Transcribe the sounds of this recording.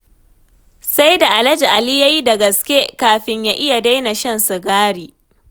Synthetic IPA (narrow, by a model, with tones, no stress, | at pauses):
sa˦jda˨ʔa˨lɐ˦d͡ʒi˨ʔa˨li˦ja˦ji˦da˨ɡɐ˨skʲe˦kaː˨ɸɪ˦ɲjaː˦ʔɪ˦ja˨da˦jna˨ʃɐ˦nsa˨ɡaː˦ɽiː˨